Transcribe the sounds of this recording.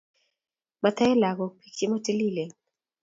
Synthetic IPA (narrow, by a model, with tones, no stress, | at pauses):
ma˨t̪ɛ˦ɛ˦la˨kɔ˨pʰi˦kt͡ʃe˦ma˦te˦li˦˨le˨